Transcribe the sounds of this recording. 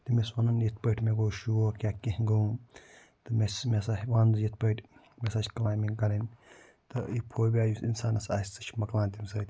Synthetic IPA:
t̪imesʋɐnɐnjit̪̚ʰpəʈʰʲmeɡoːʃuokʲaːkːehɡɐũ | t̪ɨmesmesahʋaːnzjit̪̚ʰpəʈʰʲ | mesat͡ʃʲkɐlaːmiɡɐɾɐnʲ | t̪ɨipʰoːbʲaːjuinsaːnɐsa̰ːsʲt͡sɐt͡ʃʰmɐklãːnʲt̪ʲimʲsɐːt̪ʲ

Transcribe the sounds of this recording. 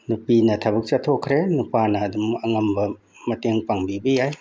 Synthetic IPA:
nupinɐtʰɐbɐk̚t͡ʃatʰokʰɾenupanɐːdumɐŋɐmbɐ | mɐteŋpaŋbibɐjaj

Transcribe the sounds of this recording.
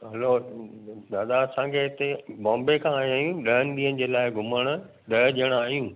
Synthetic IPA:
ɦɐlo | d̪aːd̪aɐsãkʰeɦɪt̪ebɔ̃ːmbekʰãaːjãːɦjũɗɐɦənɪɗ̪iːənɪ̆d͡ʑeːlaːɪɡʱʊməɽ̃ʊ̆ | ɗɐʄiəɽ̃aːɦijũː

